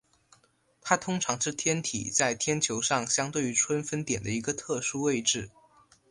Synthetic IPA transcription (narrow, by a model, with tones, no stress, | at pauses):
t̪ʰa˥t̪ʰʊ˥ŋʈ͡ʂʰɑ˧˥ŋʂɻ̩˥˩t̪ʰjɛ˥nt̪ʰḭ˨˩t͡sa˥˩ɪt̪ʰjɛ˥nt͡ɕʰjo˧˥ʊʂɑ˥˩ŋɕjɑ˥ŋt̪we˥˩ɪy˧˥ʈ͡ʂʰwə˥nfə˥nt̪jɛ˨˩nd̪ə˦i˧˥ɡə˧t̪ʰɤ˥˩ʂu˥we˥˧ɪʈ͡ʂɻ̩˥˩